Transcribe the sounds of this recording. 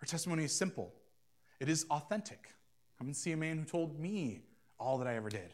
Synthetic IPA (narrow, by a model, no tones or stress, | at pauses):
hə˞tʰɛstəmõʊ̃niɨz̥sɪ̃mpl̩ˠ | ɨɾɨzɔθɛ̃ntʰɨk | kʰʌ̃m̃nsiɨmæ̃nhʉtʰoʊlˠd̚mi | ɔlˠðəɾaɪɛvə˞dɪ̰d̥